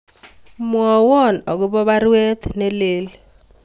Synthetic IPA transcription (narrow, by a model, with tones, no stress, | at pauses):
mwɔ˨wɔ˦˨nɔ˨ɡʊ˦bɔ˦ba˦ɾwɛ˦t̪ne˦le˦l